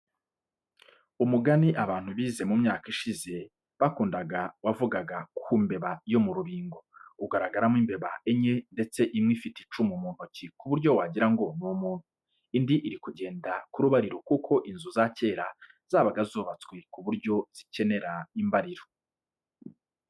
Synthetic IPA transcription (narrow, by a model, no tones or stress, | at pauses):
umuɡaniʔaβaːn̥huβiːze̞mumɲaːkiʃize̞ | βakuːndaɡawavuɡaɡakʰumbe̞βajo̞muɾuβiːŋɡo̞uɡaɾaɡaɾamiːmbe̞βaʔeɲe̞nde̞t͡se̞ʔimŋifiti̥t͡ʃumumuːn̥hocikuβuɾɟo̞waɟiɾaŋɡo̞numuːn̥u | indiʔiɾikuɟe̞ːndakuɾuβaɾiɾokukʰo̞ʔinzuzace̞ːɾa | z̥aːβaɡazuːβat͡swe̞kuβuɾɟo̞z̥ice̞ne̞ɾaimbaɾiɾo